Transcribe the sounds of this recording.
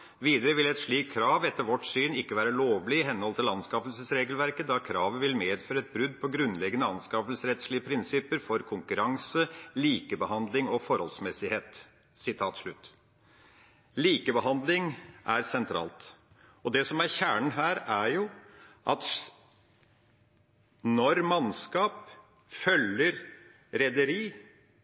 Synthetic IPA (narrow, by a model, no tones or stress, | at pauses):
ʋiːd̪əɾəʋɪlɛt̪ʂɭiːkʰːɾɑːʋɛt̪ːəɾʋɔʈsyːnɪkːəʋæːɾəloːʋlɪɪɦɛnːɔlt̪ʰɪlɑnskɑːpəlsəsɾeːɡəlʋæɾkəd̪ɑkʰɾɑːʋəʋɪlmeːd̪føːɾəɛt̪̚bɾʉd̪pʰɔɡɾʉnlɛɡːənəɑnskɑpəlsəɾɛt̪slɪəpʰɾɪnsɪpːəɾfɔɾkʰʊŋkʉɾɑŋsəliːkəbəhɑnd̪lɪŋɔfɔɾhɔlsmɛsɪheːt̪ | sɪt̪ʰɑːt̪ʂɭʉt̪ː | liːkəbəɦɑnd̪lɪŋʔæɾsɛnt̪ʰɾɑ̰ːlt̪ | ɔd̪ɛsɔmæɾçæːɳ̩ɦæːɾæɾjʊʔɑt̪ | nɔɾmɑnskɑːp | fœlːəɾ | ɾɛd̪əɾiː